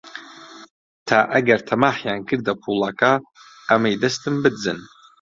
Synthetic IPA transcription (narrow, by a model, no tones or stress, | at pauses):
tʰaʔaɡartʰamaħjaŋkʰɨrdapʰulakʼaː | maidastʰʼɨmbɨd͡zɨ̰n